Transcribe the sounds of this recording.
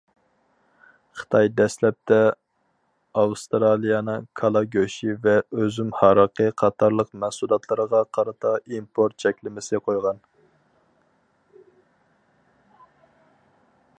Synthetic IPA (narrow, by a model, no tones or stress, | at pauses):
χə̥t̪ʰɑjd̪ɛslɛp̚t̪ʰɛ | ɑwst̪ɾɑlˠijɑnɨŋkʰɑlˠɑɡʲøʃivɛøzymhɑɾəqʰəqʰɑt̪ʰɑɾlˠəqmɛhsulˠɑt̪ʰlˠəɾəʁɑqʰɑɾɨt̪ʰɑimpʰoɾt̪̚t͡ʃʰɛkʲlɪmɪsɪqʰojʁɑn